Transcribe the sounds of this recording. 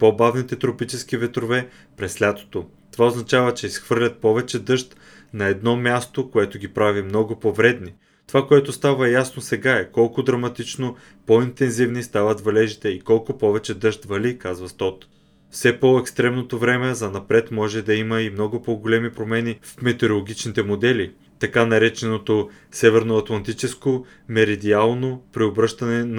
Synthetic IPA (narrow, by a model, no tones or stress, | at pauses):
pobavnit̪ɛt̪ɾopit͡ʃɛsk̟ivɛt̪ɾovɛ | pɾɛslʲat̪o̥t̪o | t̪ovaoznɐt͡ʃavət͡ʃɛisxv̥ɤɾlʲɐt̪̚pɔvɛt͡ʃɛd̪ɤʃt̪ | nɐɛd̪nɔmʲjast̪okoɛt̪oɡʲipɾavimnɔɡʊpovɾɛd̪ni | t̪ovakoɛt̪ost̪avəjasnosɛɡaɛkɔlˠkʊd̪ɾɐmɐt̪it͡ʃno | point̪ɛnzivnist̪avɐt̪vɐlɛʒit̪ɛikɔlˠkʊpɔvɛt͡ʃɛd̪ɤʃt̪vɐlikazvɐst̪ɔt̪ | fsɛpoɛkst̪ɾɛmnot̪ovɾɛmɛzɐnɐpɾɛt̪mɔʒɛd̪ɐimɐimnɔɡʊpɔɡolɛmipɾomɛnifmɛt̪ɛɾolˠoɡʲit͡ʃnit̪ɛmod̪ɛli | t̪ɐkanɐɾɛt͡ʃɛnot̪o | sɛvɛɾnoɐt̪lˠɐnt̪it͡ʃɛsko | mɛɾɛd̪ialˠnopɾiobɾɤʃt̪ɐnɛn